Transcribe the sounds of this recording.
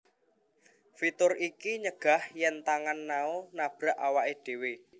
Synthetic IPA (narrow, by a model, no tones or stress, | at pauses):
fit̪ʊrʔikiɲəɡ̥a̤hjɛnt̪aŋanːaonab̥ɾaʔawaʔeɖ̥e̤we